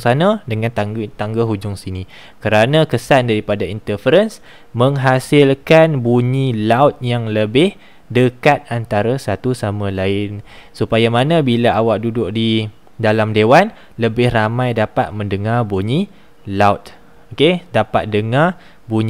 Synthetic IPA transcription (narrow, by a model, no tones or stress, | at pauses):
sanadəŋãnt̪aŋt̪aŋɡaɦud͡ʒʊŋsini | kəɾanãkəsandaɾipadaint̪əfəɾəns | mə̃ŋɦasɪlkanbuɲĩlawt̪̚jaŋləbɪh | dəkat̪̚ant̪aɾasat̪usamãlaɪnsupajamanãbilaawaʔ̚dudʊʔdi | dalamdewan | ləbɪhramãjdapat̪̚mə̃ndəŋarbuɲi | lawt̪̚ | okedapat̪̚dəŋar | buɲ